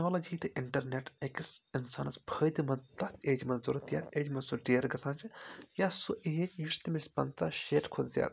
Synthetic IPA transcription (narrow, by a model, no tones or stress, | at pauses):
noːlɐd͡ʒiːt̪ɨʔɪɳʈɐɾneʈekisinsaːnɐsbʰʱəːjd̪imɐnt̪ɐt̪ʰeːd͡ʒmɐnzuɾɐt̪jaːt̪ʰʲeːd͡ʒmɐnsuʈeːɾɡɐsʰãːnt͡ʃʰijasuʔeːt͡ʃjuʃt̪imisʲpɐnt͡saʃeːʈkʰod̪zʲja̰ːt̪̚